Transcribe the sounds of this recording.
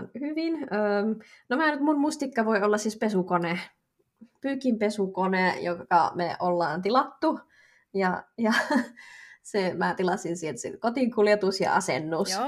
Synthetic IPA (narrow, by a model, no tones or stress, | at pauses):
nhyʋinøːmnomæːnyt̪munmust̪ikːɑʋoiolːɑssiːspesukone | pyːkimpesukonejokɑ̰meʔolːɑːnt̪ilɑt̪ːu | jɑjɑ | semæt̪ilɑsinsielt̪sḛnkot̪iŋkuljet̪usjɑ̰ɑ̰sḛnːus